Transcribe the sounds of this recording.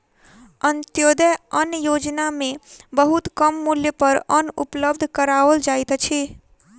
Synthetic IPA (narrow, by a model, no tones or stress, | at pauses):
ənt̪jod̪əənjod͡ʒnamẽbəɦut̪kəmːuljəpəɾənṵpləbd̪ʱkəɾaʋəld͡ʒajt̪t͡ʃʰi